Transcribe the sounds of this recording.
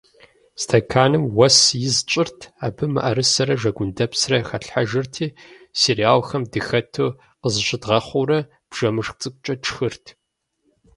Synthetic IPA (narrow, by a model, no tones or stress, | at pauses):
stʰɐkʰaːnɨmwɐsjɪzt͡ʃʼɪrtʰaːbɨmɐ̰ʔɐɾɨsɐɾɐʒɐɡʷʊndɐpsrɐxɐɬħaʒɪrtʰiː | siɾiaːwxɐmdɨxɐtʰoː | qəzɨɕʼɪdʁɐχʷuɾɐ | b̥ʒ̥ɐmɨʂxt͡sʼɨkʷʼt͡ʃʼɐʈ͡ʂʰxɨrtʰ